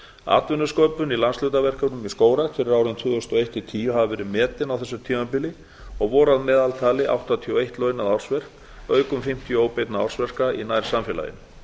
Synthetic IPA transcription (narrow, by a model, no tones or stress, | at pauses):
a̰ːt̪vʏnːʏskoːpʏnilanslʏɥt̪avɛr̥kanʏmiskoːwɾat̪fɪɾɪɾaːwɾɪnt̪ʰvʏːðʏst̪ɔejht̪it̪ʰiːjʏɦavavɛːɾɪmɛːt̪ɪnawθɛsːʏt̪ʰiːmapɪlɪ | ɔɣvɔɾaðmɛːðalt̪ʰaːlɪʔa̰wht̪at̪ʰiɔejht̪lœːɥnaðawr̥svɛr̥k | œːɥkʏmfɪm̥t̪jʏoːwpejt̪naa̰wr̥svɛr̥kainajɾ̥samfjɛla̰jɪ̰n